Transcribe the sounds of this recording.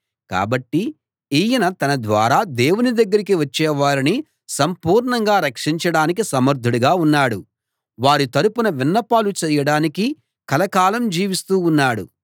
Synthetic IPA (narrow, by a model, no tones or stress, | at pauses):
ka̰ːbɐʈːi | iːjɐnɐt̪ɐnɐd̪ʋaːɾaːd̪eːwunid̪ɐɡːɐɾikiʋɐt͡ʃːɛːʋaːɾini | sɐmpuːɾɳɐŋɡaːɾɐkʂiɲt͡ʃɐɽaːnikisɐmɐɾd̪ʱuɽuɡaːunːaːɽu | ʋaːɾit̪ɐɾupunɐʋinːɐpaːlut͡ʃɛːjɐɽaːniki | kɐlɐkaːlɐmd͡ʒiːʋist̪uːnːaːɽṵ